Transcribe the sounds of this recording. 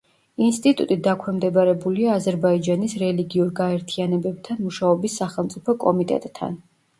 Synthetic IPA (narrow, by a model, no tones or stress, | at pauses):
inst̪ʼit̪ʼṵt̪ʼid̪akʰwɛmd̪ɛbaɾɛbuliaːzɛɾbaid͡ʒanisɾɛliɡiuɾɡaɛɾt̪ʰianɛbɛb̚t̪ʰanmuʃaɔbisːaχɛlˠmt̪sʼipʰɔkʼɔmit̪ʼɛ̰t̪ʼːʰa̰n